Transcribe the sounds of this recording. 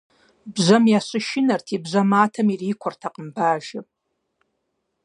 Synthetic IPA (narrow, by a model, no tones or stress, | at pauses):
bzʷamjasʷɨʃɪnartʰibzʷamaːtʰamiriːkʷʰartʰaqʼəmbaːʒɪ